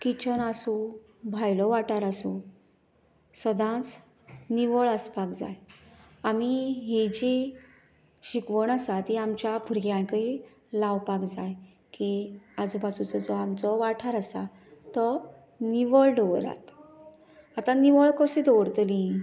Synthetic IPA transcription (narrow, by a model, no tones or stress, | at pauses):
kit͡ɕənasũ | bʱajlɔʋaʈaɾasũ | səd̪ʱãt͡s | niʋəɭəspakd͡za̰j | amiɦid͡ʑi | ɕikʋəɳasat̪iamt͡ɕjapʰuɾɡjãjkəi | lawpakd͡zaj | kiad͡zpat͡sut͡səd͡zɔamt͡sɔʋaʈʰaɾasa̰ | t̪ɔ | niʋəlɖəʋəɾa̰t̪ | at̪ãniʋəɭkɔsit̪ɔʋəɾt̪lĩ